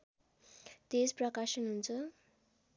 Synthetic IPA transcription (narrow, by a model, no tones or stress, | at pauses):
t̪esprʌkasʌnɦunt͡sʰʌ